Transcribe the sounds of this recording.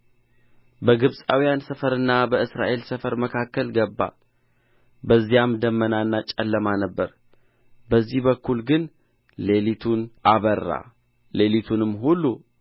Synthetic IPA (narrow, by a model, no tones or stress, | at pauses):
bəɡɨβsʼawijansəfəɾɨnːabəɨsɾa̰ʔe̞lsəfəɾməkʰakːəlɡəbːa̰ | bəzːijamd̪əmːənanːat͡ʃʼɛlːəmanəbːəɾ | bəzːihbəkːulɡɨn | le̞lit̪ʰunʔaβərːa̰ | le̞lit̪ʰunɨmːɦulːu